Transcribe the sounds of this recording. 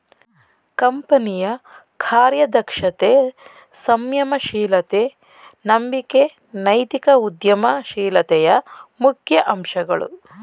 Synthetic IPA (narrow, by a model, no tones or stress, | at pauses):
kɐmpɐnijɐ | kʰaːɾjɐd̪ɐkʂɐt̪e | sɐmjɐmɐʃiːlɐt̪e | nɐmbike | nɐjt̪ikɐud̪jɐmɐʃiːlɐt̪ɛjɐmukʰjɐʔɐmʃɐɡɐ̰ɭṵ